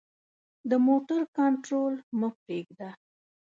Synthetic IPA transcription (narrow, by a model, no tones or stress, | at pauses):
d̪əmoʈaɾkɑɳʈɾolməpp̚ɾeɡd̪a